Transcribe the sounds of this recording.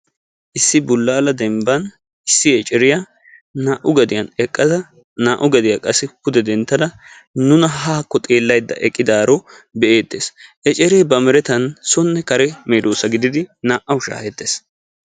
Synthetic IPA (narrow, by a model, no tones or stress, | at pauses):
ʔɪsːɪbʊlːaːlɐd̪ɛmbɐn | ɪsːɪɛt͡ʃʼɛɾɪjɐ | naːʔʊɡɐd̪ɪjɐnɛkʼːɐd̪ɐ | naːʔʊɡɐd̪ɪjakʼɐsːɪkʊd̪ɛd̪ɛnt̪ːɐd̪ɐ | nʊnɐɦaːkːɔt̪ʼe̞ːlːɐjd̪ːɐ̰ʔɛkʼːɪd̪aːɾɔ | bɛʔeːt̪ːeːsʔɛt͡ʃʼɛɾeːbɐmɛɾɛt̪ɐnsɔnːɛkɐɾɛmeːd̪oːsɐɡɪd̪ɪd̪ɪnaːʔɐwʊʃa̰ːhɛt̪ːeːs